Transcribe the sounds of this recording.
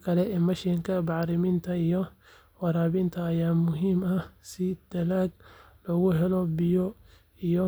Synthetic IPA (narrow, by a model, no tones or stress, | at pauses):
kʰɐlɛɪmɐʃɪŋkʰɐbɑʕɾɪmɪnt̪ʰɐijɔ | wɑɾaːβɪnt̪ʰɐːjaːmʊɦiːmɐsɪd̪̥ɐlaːɡlɔɣʊɦɛlɔbɪjɔ | ijɔ